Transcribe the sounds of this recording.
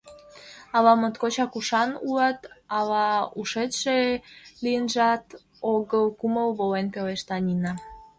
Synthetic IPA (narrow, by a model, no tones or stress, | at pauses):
ɑlɑmət̪kot͡ɕɑkuʃɑnulɑt̪ɑlɑuʃet̪ʃelijənʒɑt̪ | oɣəlkuməlβolenpeleʃt̪ɑnʲinɑ